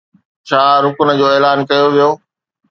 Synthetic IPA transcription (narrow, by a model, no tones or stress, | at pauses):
t͡ɕʰaːɾʊkʊnə̆d͡ʑoːeːlaːnkɐjoʋijoː